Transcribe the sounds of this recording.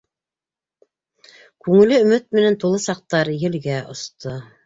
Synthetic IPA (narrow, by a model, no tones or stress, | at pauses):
kʉŋɘ̆lɘɵ̆mɘt̪̚mɘ̆nænt̪ulˠɤsɑq̚t̪ɑɾjɘ̆lɡæʔŏ̰st̪ʰo